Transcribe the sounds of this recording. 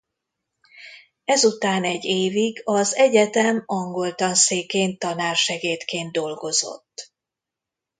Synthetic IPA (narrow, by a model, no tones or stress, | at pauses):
ɛzut̪aːnɛɟːeːviɡɒzɛɟɛt̪ɛmɒŋɡo̞lt̪ɒnseːkeːnt̪ːɒnaːrʃɛɡeːt̪keːnd̪o̞lɡo̞zo̞̰t̪ː